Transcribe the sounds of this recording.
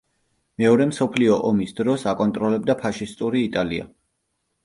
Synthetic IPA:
mɛɔɾɛmsɔpʰliɔʔɔmisd̪ɾɔsakʼɔnt̪ʼɾɔlɛb̚d̪apʰaʃist̪ʼuɾiːt̪ʼalia̰

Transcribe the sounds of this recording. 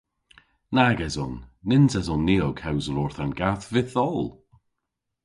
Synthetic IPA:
naɡɛzɔnːɪnzɛzɔnːiːɔɡhawzəlɔːɹθanɡaθvɪθɔlˠ

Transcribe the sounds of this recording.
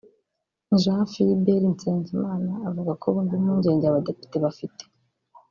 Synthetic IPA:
ʒahafijibeɾint͡seːnzimaːnaːvuɡakʰoβuːndimuːɲɟe̞ːɲɟeaβade̞pi̥te̞βafitʰe̥

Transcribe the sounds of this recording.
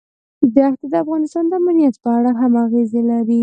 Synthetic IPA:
baxt̪ad̪əafɣɑnɪst̪ɑnd̪əamanijat̪pəaɽaɦamaɣezelaɾi

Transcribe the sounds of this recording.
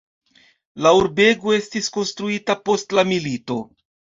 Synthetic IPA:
lauɾbe̞ɡo̞e̞stisko̞nstɾuitapo̞stlamilito̞

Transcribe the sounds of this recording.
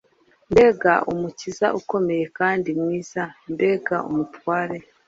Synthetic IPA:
mbe̞ɡa̰ʔumuciza̰ʔuko̞me̞je̞kaːndimwiːz̥ambe̞ɡaṵmutwaːɾe̞

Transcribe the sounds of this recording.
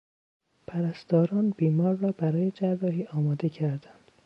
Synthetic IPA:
pʰæɾæst̪ɒːɾɒːnbiːmɒːɾːɒːbæɾɒːjed͡ʒærːɒːɦiːʔɒːmɒːd̪e̞cʰæɾd̪ænd̪̥

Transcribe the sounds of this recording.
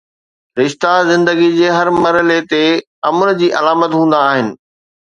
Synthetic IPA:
ɾɪʃt̪azɪ̃nd̪əɡid͡ʑeːɦɐɾmɐɾəlet̪e | ɐmʊnd͡ʑiːʔɐlaːmət̪ɦũːnd̪aːɦɪnɪ̆

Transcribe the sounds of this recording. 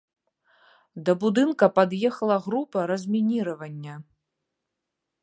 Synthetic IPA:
d̪ɐbud̪ɨnkɐpad̪jɛxɐlˠɐɣɾupɐɾɐzʲmʲinʲiɾɐvɐnʲːɐ

